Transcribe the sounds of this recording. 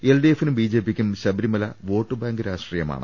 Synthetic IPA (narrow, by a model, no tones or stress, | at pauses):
elɖijefinumbiːd͡ʑeːpːikʲːumɕɐbiɾimɐlɐʋo̞ːʈːɨbaːŋɡɨɾaːʂʈriːjɐma̰ːɳɨ